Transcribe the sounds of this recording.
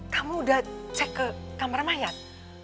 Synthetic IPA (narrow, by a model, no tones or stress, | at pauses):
kamuudaht͡ʃɛkːəkamaɾmajat̪̚